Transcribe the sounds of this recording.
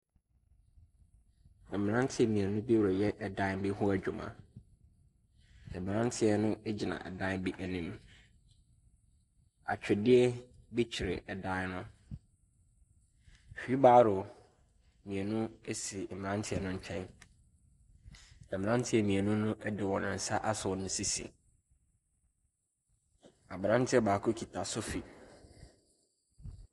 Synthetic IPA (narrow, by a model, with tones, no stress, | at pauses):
ɛ˨m̃˨nã˦n˦tʰɪ˦ɛ˨mĩ˨e˨nũ˦bi˦wɾɔ˨jɛ˦ʔɛ˨dã˦m̩˦bɪ˦ɦʊ˦æ˨d͡ʑᶣu˨mã̰˨ | sɛ˨mɪ̃˨nã˦ntʰɪ˦ɛ˦nʊ̃˦ɛ˦d͡ʑi˨nã̰˨ʔɛ̰˨dã˦bi˦ʔæ˨nĩ˦m | a̰˨t͡ɕᶣʰɪ˨dɪ˦ɛ˦bi˦t͡ɕʰɪ˨ɾɪ̰˨ɛ˨dã˦nʊ̃˦˨ | fᶣi˨˦baː˦ɾʊ˨ | mĩ˨e˨nũ˦e˦si˨m̩˨mɪ̃˨nã˦ntʰɪ˦ɛ˨nʊ̃˦ɲ̩˦t͡ɕᶣʰɛ̃˦n | nã˨mɪ̃˨nã˦n˦tʰɪ˦ɛ˨mĩ˨e˨nũ˦nʊ̃˦ʔɛ˦dɪ˨wɔ̃˨ñ˨n̩˨sa˦ʔa˦sʊ˨nʊ̃˦si˦sḭ̃˨ | a˨bɾã˦ntʰɪ˦ɛ˨baː˨kʰʊ˦kʰi˨tʰa˨sʊ˦fi˨